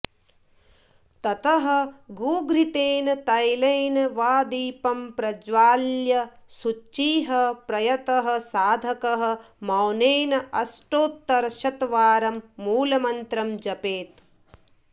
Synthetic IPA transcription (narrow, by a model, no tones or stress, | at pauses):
t̪ɐt̪ɐɦɐ̆ɡuːɡɾit̪eːnɐt̪ɐjlɐjnɐʋaːd̪iːpɐmpɾɐd͡ʒʋaːljɐ | sut͡ʃːiːɦɐpɾɐjɐt̪ɐɦɐ̆saːd̪ʱɐkɐɦɐ̆ | mɐwneːnɐɐsʈoːt̪ːɐɾʃɐt̪ʋaːɾɐmːuːlɐmɐnt̪ɾɐmd͡ʒɐpeːt̪